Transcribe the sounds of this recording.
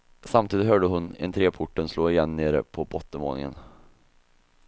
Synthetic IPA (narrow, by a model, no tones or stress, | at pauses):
samt̪ʰiːd̪ɪt̪hɦœːɖəɦɵnɛ̰nt̪ʰɾeːpʰʊʈːənsloːɪjɛnːeːɾə̰pʰɔbɔt̪ːəmoːnɪ̰ŋə̰n